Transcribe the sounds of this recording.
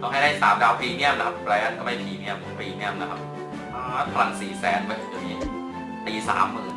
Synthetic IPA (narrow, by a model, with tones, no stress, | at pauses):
t̪ɔː˥˩ŋha˥˩jdaː˥˩saː˨˩˦mdaː˦˥wpʰiː˧ŋi˥˩əmna˦˥kʰa˦˥pplɛː˦˥t̚kɔ˥˩ma˥˩jpʰiː˨˩ŋi˥˩əmpʰiː˧˩ŋi˥˩əmna˦kʰa˦˥p̚ | ʔaː˧˦pʰa˧la˨˩ŋsiː˨˩sɛː˦˥npʰaː˧˩ʔi˨˩d̪uː˨˩ŋːiː˦˥ | t̪iː˧sa̰ː˩˦mɯː˨˦